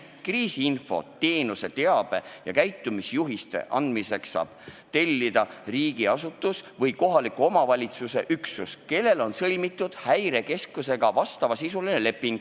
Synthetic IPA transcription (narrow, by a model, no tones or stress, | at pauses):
kriːsiinfo̞̰t̪e̞ːnuse̞t̪e̞ɑb̥e̞jɑ̰kæjt̪ːˑumisjuɦist̪e̞̰ʔɑ̰nd̪̥mise̞ksːɑ̰ːb̥t̪e̞lʲːid̪̥ɑriːɡ̥iɑsut̪ːˑusvɤjko̞ɦɑlikːˑuo̞mɑvɑlʲit̪suse̞ʔyksuske̞lːe̞lo̞nsɤlʲmit̪ːˑud̪̥hæjɾe̞ke̞skuse̞ɡ̥ɑvɑst̪ɑvɑsisuline̞le̞pːˑiŋɡ̥